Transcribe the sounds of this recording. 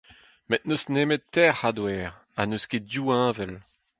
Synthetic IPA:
mɛt̪̚nosneːmettɛʁad̪wɛːʁ | anoskedjuːɛ̃ːvɛl

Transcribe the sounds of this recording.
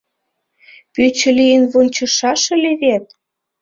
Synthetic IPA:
pyt͡ɕə̆lijənβonʲt͡ɕɤ̆ʃɑʃə̆leβet̪̚

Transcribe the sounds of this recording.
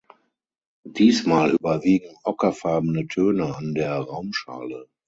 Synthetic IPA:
d̥iːsmaːlʔyːbɐviːɡŋ̩ʔɔkɐfaɐbənətʰøːnəandeːɐʁaʊmʃa̰ːlə

